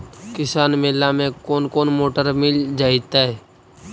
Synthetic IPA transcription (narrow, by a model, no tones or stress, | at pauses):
kɪsaːnmeːlːamẽkoːnkoːnmoːʈəɾmɪld͡ʒaːɪt̪aɦɛː